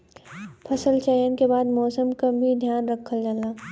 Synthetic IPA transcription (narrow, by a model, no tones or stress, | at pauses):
pʰɐsəlt͡ʃaːjənkebaːd̪mɔːsəmkabʱid̪ʱjaːnɾɐkʰːəld͡ʒaːlaː